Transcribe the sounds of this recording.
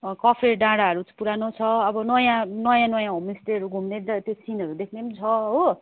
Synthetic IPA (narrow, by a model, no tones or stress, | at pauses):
kʌpʰeɖãɽaʌɾut͡spuɾanot͡sʰʌʌbʌnʌjãnʌjãnʌjãɦomisʈeɦʌɾuɡʱumned̪t̪josinɦʌɾud̪ekʰnet͡sʰʌɦo